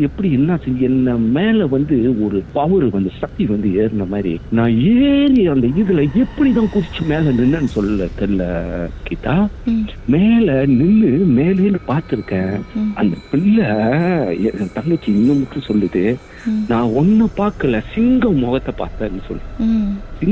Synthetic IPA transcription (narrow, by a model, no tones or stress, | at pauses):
ɛpːɐɽiɛnːaːsɪɛnːɐmeːlɐʋɐnd̪ɯɔɾɯpɐʋɐɾʋɐnd̪ɯsɐk̚t̪iʋɐnd̪ɯeːɾɯnd̪ɐmaːd̪ɾḭnãːeːɾɪjɐnd̪ɐɪðɯlɐɛpːɐɽiðãːkʊɾɪt͡ʃːɯmeːlɐnɪnːɐnːɯsɔlːɯlɐt̪ɛlːɐ̰kiːt̪ːaː | meːlɐnɪnːɯmeːlɐɪnɯpaːɾt̪ɯɾɯkːẽːʔɐnd̪ɐpɪɭːɐ | ɛt̪ɐŋɡɐt͡ʃːiɪnːɐmɐʈːɯ̃sɔlːɯðɯ | nãːɔnːɐpaːɾkɐlɛsɪŋɡɐmɔɣɐt̪ːɐpa̰ːɾt̪ːẽːnːɯsɔ̰lː | sɪ